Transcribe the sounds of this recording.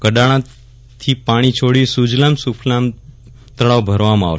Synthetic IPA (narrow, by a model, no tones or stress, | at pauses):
kəɗaɽ̃ã | t̪ʰipaɽ̃it͡ʃʰoɽisud͡ʒlamsupʰlam | t̪əɭaʋbʱəɾʋamãa̰ʋʃ